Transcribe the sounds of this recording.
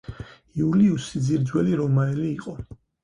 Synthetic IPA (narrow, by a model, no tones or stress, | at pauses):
iuliusid̪ziɾd̪zwɛliɾɔmaɛliːqʼɔ